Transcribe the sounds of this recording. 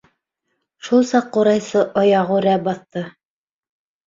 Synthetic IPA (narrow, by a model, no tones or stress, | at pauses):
ʃulˠsɑqːuɾɑjsɤʔɑjɑʁuɾæbɑθt̪ɤ